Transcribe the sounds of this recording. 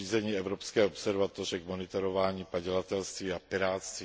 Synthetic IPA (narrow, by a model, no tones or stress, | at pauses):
iːzɛɲiːɛvɾopskɛːopsɛɾvat̪or̝ɛɡmonɪt̪oɾovaːɲiːpaɟɛlat̪ɛlst̪viːapɪɾaːt̪st̪vi